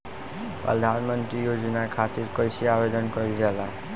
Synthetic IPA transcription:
pɾə̰d̪ʱanmənt̪ɾijod͡ʒnakʰat̪iɾkəjsiabed̪ʱənkɔjld͡ʒɛla

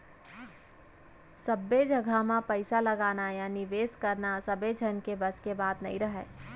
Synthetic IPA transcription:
səbːed͡ʒəɡʱamãpəɪsaləɡaːnajaːniʋeːskəɾnasəbed͡ʒʱənkebəskebaːt̪nɐ̰ɦĩɾəɦɛː

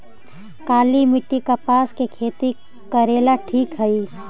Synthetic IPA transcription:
kaːlimɪʈːikapaːskekʰeːt̪i | kəɾeːlaʈʰiːkɦəi

